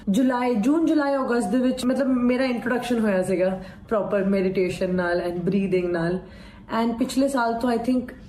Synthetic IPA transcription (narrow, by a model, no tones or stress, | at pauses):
d͡ʒʊlaːid͡ʒuːnd͡ʒʊlaːiɔːɡəst̪̚d̪eʋɪt͡ʃmɐt̪ləbmeːɾaɪ̃ɳʈɾoːɖəkʃənɦoːjasiɡaː | pɾɔːpəɾmɛːɖɪʈeːʃənːaːlɛ̃ːnbɾiːd̪ɪ̃ŋɡnaːl | ɛ̃ːnpɪt͡ʃʰlesaːlt̪õaːɪt̪ʰɪ̃ŋk